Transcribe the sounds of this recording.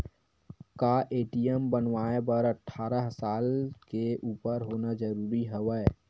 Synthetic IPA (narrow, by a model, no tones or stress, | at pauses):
kaːʔeːʈijəmbənʋaːebəɾəʈʰːaːɾəɦsaːlkeʔuːpəɾɦoːnad͡ʒəɾuːɾiɦəʋɛː